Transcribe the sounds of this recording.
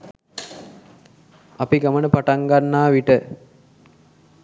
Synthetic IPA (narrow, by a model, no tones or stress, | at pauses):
apiɡamənəpaʈaŋɡanːaːʋiʈə